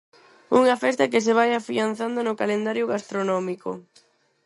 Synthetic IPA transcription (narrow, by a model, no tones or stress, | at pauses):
uŋafɛst̪ak̬ɪseβ̞ajafian̟θand̪onokalend̪aɾjʊɣast̪ɾonɔmiko̰